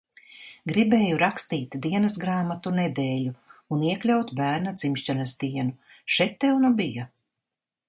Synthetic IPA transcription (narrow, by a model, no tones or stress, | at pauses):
ɡɾibeːjuɾakst̪iːt̪d̪iɛnɐsɡɾaːmat̪unɛd̪eːʎʲuuniɛklʲawt̪bæːɾnat̪z̥imʃt͡ʃanɐsd̪iɛnu | ʃɛjt̪ːɛwnubija